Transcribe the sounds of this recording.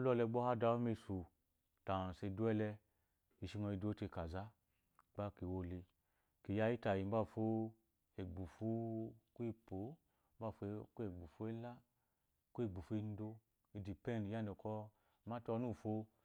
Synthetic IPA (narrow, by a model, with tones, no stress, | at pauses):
lɔ˧lɛ˧˦ɡ͡bɔ˦ha˦da˧˦mi˧su˨ | ta˨se˧˨du˦ɛ˦lɛ˧ | i˧ʃi˧ŋɔ˧i˧do˦te˧ka˨za˦ | ɡ͡ba˦ki˨wo˧le˧ | ki˨ja˧ji˦ta˨ji˨m˦ba˦˨fo˦ | e˨ɡ͡bu˨fu˦ku˦i˧po˨˦ | m˦ba˦˨fo˧˦ke˨ɡ͡bu˨fu˦e˦la˦ | ku˦i˦˨ɡ͡bu˨fu˧i˧n˦do˧ | i˧di˨pɛ˦˨n˨˧ja˦ndɔ˨kɔ˧˨ | ma˦tɔ˧˦nu˦˨fo˧